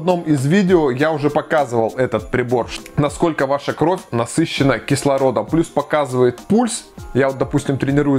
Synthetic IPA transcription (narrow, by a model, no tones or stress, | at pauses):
ɐd̪no̞mɪzvʲidʲɪojaʊʐɛpɐkazɨvəlˠɛt̪ət̪̚pɾʲɪbo̞rnɐsko̞lʲkəvaʂəkɾo̞fʲnɐsɨɕːɪnəkʲɪslˠɐɾo̞d̪əmplʲuspɐkazɨvəjɪt̪pulʲsjavot̪̚d̪ɐpusʲtʲɪmt̪ɾʲɪnʲɪɾujʊ